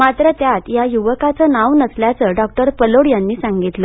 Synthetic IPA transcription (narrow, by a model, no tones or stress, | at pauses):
mat̪ɾət̪jat̪jajuʋəkat͡səːnaʋnəsljat͡səɖɔk̚ʈəɾpəloɽjanːiːsãŋɡit̪lə